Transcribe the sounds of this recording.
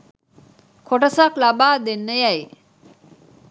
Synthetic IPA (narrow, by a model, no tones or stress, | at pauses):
kʰoʈɐsaklabaːd̪enːəjæj